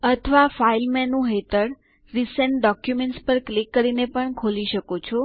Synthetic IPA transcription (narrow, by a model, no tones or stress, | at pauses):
ət̪ʰəʋafailmɛnːũɦet̪əɽ | ɾisəɳʈɖɔkjumẽɳʈspəɾklikːəɾinepəɳkʰoliʃəkot͡ʃʰo